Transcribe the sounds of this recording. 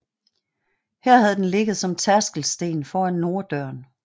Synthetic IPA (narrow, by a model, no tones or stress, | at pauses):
hæɐ̰hæð̞̩ˠd̥enle̝ɡ̥əð̩ˠsɒ̽mt͡sʰæɐsɡ̥l̩sd̥e̝̰ːnfɒːænːo̝ːɐd̥ɶɐ̰n